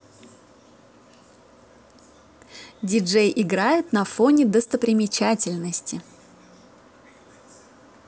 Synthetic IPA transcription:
dʲɪʐejʔɪɡɾajʊt̪nɐfo̞nʲɪd̪əst̪əpɾʲɪmʲɪt͡ɕætʲɪlʲnəsʲtʲɪ

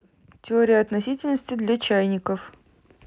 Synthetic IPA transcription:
tʲɪoɾʲɪjəɐt̪nɐsʲitʲɪlʲnəsʲtʲɪd̪lʲɐt͡ɕæjnʲɪkəf

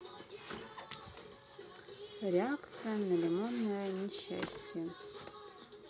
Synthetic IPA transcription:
rʲeakʰt͡sʰijanalʲemonːajanʲiʃa̰sʲtʰje

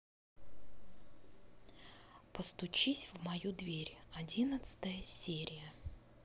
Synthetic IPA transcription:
pəst̪ʊt͡ɕisʲvmɐjud̪vʲeɾʲɐdʲinət̪sɨ̥t̪əjəsʲeɾʲɪjə

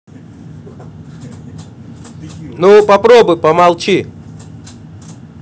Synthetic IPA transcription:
nupɐpɾobʊjpəmalˠt͡ɕi

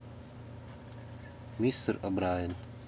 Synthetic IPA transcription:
mist̪əɾɐbɾaːjən

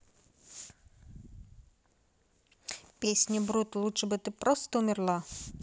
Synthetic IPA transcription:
pʲesʲnʲəbɾut̪lˠutʂɨbɨt̪ɨpɾost̪əʊmʲɪrlˠa

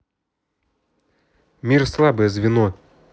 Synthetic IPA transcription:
mʲirslˠabɨjəzvʲɪno

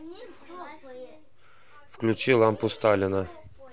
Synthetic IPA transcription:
fklʲʉt͡ɕilˠampʊst̪alʲɪnə

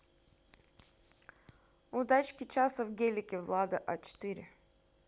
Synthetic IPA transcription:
ʊd̪at͡ɕkʲɪt͡ɕasəvɡʲelʲɪkʲɪvlˠad̪ɨʔat͡ɕɪ̥t̪iɾʲɪ̰

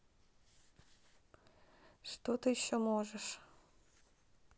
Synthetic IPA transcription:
ʂt̪ot̪ɨjɪɕːomoʒəʃ

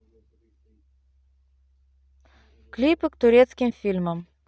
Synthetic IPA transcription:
klʲipəkt̪ʊɾʲet̪skʲɪmfʲilʲməm

